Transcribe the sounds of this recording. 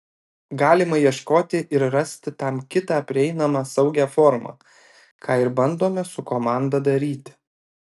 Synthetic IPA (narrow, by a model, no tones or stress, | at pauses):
ɡɑːlʲɪmɐjiɛʃkoːt̪ʲɪʔɪɾɾɐsʲt̪ʲɪt̪ɑmkʲɪt̪ɑːpʲɾʲɪɛɪnɐmɑːsɒʊɡʲæːfɔːɾmɑ̰ː | kʰɑːɪɾbɐnd̪oːmʲɛsʊkoːmɑːˑnd̪ɐd̪ɐɾʲiːt̪ʲɪ̥